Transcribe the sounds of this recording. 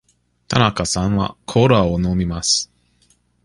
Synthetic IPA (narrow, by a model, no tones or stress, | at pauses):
t̪ʰanakasãɰ̃βa̰kʰoɾaonomʲimasɨ̥